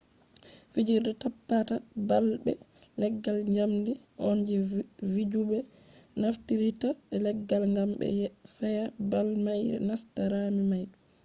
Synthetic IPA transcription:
fid͡ʒiɾdɛtapːatabalbɛ̰ | lɛɡːalɲd͡ʒamdi | ʔɔnd͡ʒɛvid͡ʒubɛ | naftiɾitaɛlɛɡːalŋɡambɛ̰jfɛjabalmajɾɛ̰nastaɾamimaj

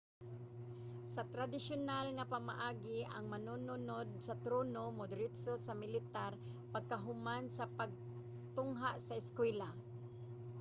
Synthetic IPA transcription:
sat̪ɾad̪ɪsjʊnalŋapama̰ʔaːɡɪaŋmanununod̪̚sat̪ɾoːnomʊd̪ɾɪt̪sosamɪlɪt̪ar | paɡ̚kaɦʊmansapaɡ̚ | t̪ʊŋɦaʔsaɪskwɛla

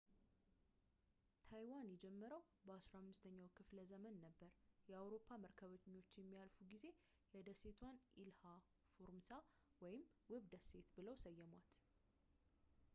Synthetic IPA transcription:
t̪ʰajwanjɛd͡ʒɛmːəɾəw | bəasɾahamːɨst̪ʰəɲːawkʰɨfləzəmənːəbːəɾjɛawɾo̞pʰːaməɾkʰəβət̪ɲːwot͡ʃːjɛmːijalfuɡize̞ | jɛd̪əse̞t̪ʰwanʔilha | foɾmsa | wɔjɪmwɨβd̪əse̞t̪bɨləwsəjːɛmwat̪

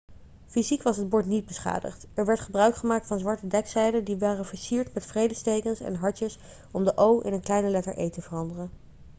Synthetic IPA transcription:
fizikʋɑsɦəd̚bɔɹtnid̚bəsχa̰ːdə̰χtɛɹʋɛɹtχəbrœɥkχəmaːk̚tfɑnzʋɑɹtədɛksɛjdədiʋaːrəvəɹsiːɹtmɛtfrejdəstejkənsɛ̰nɦɑɹtəs | ɔmdəʔowʔɪ̰nənklɛjnəlɛtəɹʔejtəvərɑndərən

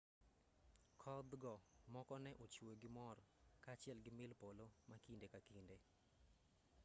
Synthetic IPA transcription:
kʰɔd̪ɡɔmɔkɔnɛʔot͡ʃwoɡɪmɔrkaːt͡ʃɪɛlɡɪmɪlpolomakindekakinde

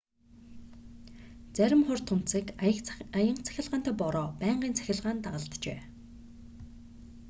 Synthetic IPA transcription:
t͡sæɾʲɪ̆mχʊr̥t̪ʰʊn̥t͡siːkəkajə̆ɴt͡sʰæ̥xʲɪ̆ɮʁaːnt̪æːpɔɾɔːpæːɴɢiːnt͡sʰæ̥xʲɪ̆ɮʁaːnt̪aʁə̆ɮt̪t͡ɕeː

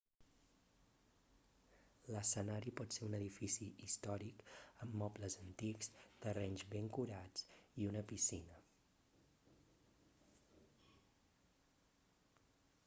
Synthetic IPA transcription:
ləsənaɾipɔt̪seunəðifisiist̪ɔɾikəmːɔpləzənt̪ikst̪ərɛɲzβeŋkuɾat͡siunəpisinə

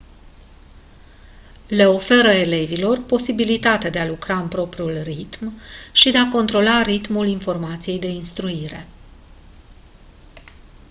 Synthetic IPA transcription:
le̞o̞fe̞ɾəe̞le̞vilo̞rpo̞sibilit̪at̪ead̪e̞alukɾaɨnpɾo̞pɾiulrit̪mʃid̪e̞ako̞nt̪ɾo̞laɾit̪mulinfo̞rmat̪sije̞jd̪e̞inst̪ɾuiɾe̞̰

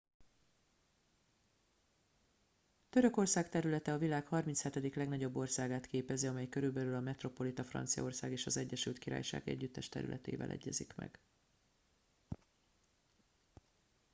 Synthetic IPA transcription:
t̪ø̞ɾø̞ko̞rsaːkt̪ɛɾylɛt̪ɛɒvilaːkhɒrminshɛt̪ɛd̪iklɛɡnɒɟo̞bːo̞rsaːɡaːt̪keːpɛziɒmɛjkø̞ɾylbɛlylɒmɛt̪ro̞po̞lit̪ɒfrɒ̰nt̪sijɒ̰o̞rsa̰ːɡeːʃɒzɛɟːɛʃylt̪kiɾa̰ːjʃa̰ːɡɛ̰ɟːyt̪ːɛʃt̪ɛ̰ɾy̰lʔɛ̰t̪ḛːvɛ̰lʔɛ̰ɟːɛ̰zikmɛ̰ɡ̥

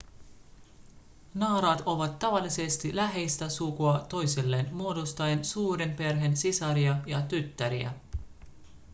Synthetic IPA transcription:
nɑːɾɑːt̪o̞ʋɑt̪ːɑʋɑlːise̞st̪ilæɦe̞jst̪æsukuɑt̪o̞jsilːe̞ːnmuo̞dost̪ɑjensuːɾe̞mpe̞rɦe̞nsisɑɾiɑjɑt̪yt̪ːæɾiæ̰

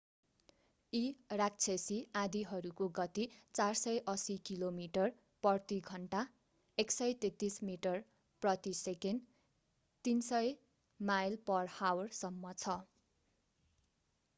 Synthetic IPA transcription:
irak̚t͡sʰesiad̪iɦʌɾukoɡʌt̪it͡sarsʌjʔʌsikilomiʈʌr | pʌrt̪iɡʱʌɳʈa | eksʌjt̪et̪ːismiʈʌr | prʌt̪iseken | t̪insʌj | majlpʌrhawrsʌmːʌt͡sʰʌ

